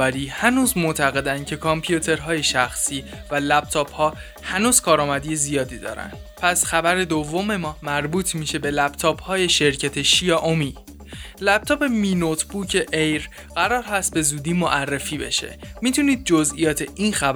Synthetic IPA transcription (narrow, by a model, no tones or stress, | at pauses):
æɾiːhænuːzmot̪ʰæɣe̞d̪ænd̪cʰe̞kʰompʰijut̪ʰe̞ɾɦɒːje̞ʃæxsiː | vælæb̚t̪ʰɒːphɒː | hænuːz̥kʰɒːɾɒːmæd̪ije̞zijɒːd̪iːd̪ɒ̰ːɾæ̰nd̪̥ | pʰæsxæbæɾe̞d̪ovːo̞me̞mɒːmæɾbuːt̪ʰmiːʃe̞be̞læbt̪ʰɒːphɒːje̞ʃe̞ɾcʰæt̪ʰe̞ʃijɒːʔomiː | læp̚t̪ʰɒːpe̞minot̪ʰb̥uːcʰe̞ʔejɾ | ɢæɾɒːɾɦæst̪̚be̞zuːd̪iːmoʔærːefiːbe̞̰ʃe̞̰miːt̪ʰuːniːd̪̚d͡ʒozʔijɒːt̪ʰe̞inxæ